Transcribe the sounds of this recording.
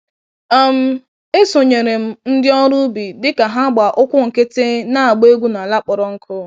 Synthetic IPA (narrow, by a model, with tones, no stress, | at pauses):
a˦m̩˦ | e˦so˨ɲe˨ɾe˨m̩˦n̩˦dɪ˦ɔ˦ɾu˦bi˨dɪ˦ka˨ɦa˦ɡ͡ba˨ʔʊ˦kʷʊ˦ŋ̩˨ke˦te˦na˦a˨ɡ͡be˦ɡʷu˦na˨la˦k͡pɔ˨ɾɔ˨ŋ̩˦kʰʊ˦